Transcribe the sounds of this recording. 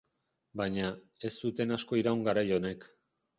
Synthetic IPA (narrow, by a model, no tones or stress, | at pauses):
baɲa | e̞sːut̪e̞nasko̞iɾauŋɡaɾajo̞ne̞k